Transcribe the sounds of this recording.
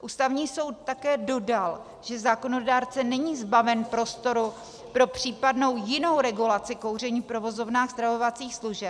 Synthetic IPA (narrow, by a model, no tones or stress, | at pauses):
ʔuːst̪avɲiːso̞wt̪̚ːakɛːdo̞dal | ʒ̥ɛzaːko̞no̞daːɾt͡sɛnɛɲiːzbavɛnpɾo̞st̪o̞ɾu | pɾo̞pr̝̥iːpadnowjɪno̞wɾɛɡulat͡sɪko̞wr̝ɛɲiːpɾo̞vo̞zo̞vnaːxz̥t̪ɾavo̞vat͡siːxsluʒɛp̚